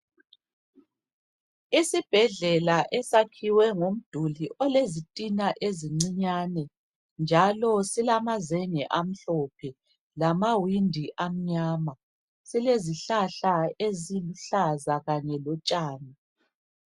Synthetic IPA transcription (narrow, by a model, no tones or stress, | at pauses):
isib̥ʱɛɮɛlaʔɛsakʰiwɛŋom̩d̥ʱuliʔɔlezitʼinaʔeziŋ͡ǀiɲaːnɛ | nd͡ʒʱalɔsilamazɛŋɛʔam̩ɬɔpʰɛ | lamawindʱiʔam̩ɲaːma | sileziɬaɬaeziluɬazaɣaɲɛlɔt͡ʃʼaːna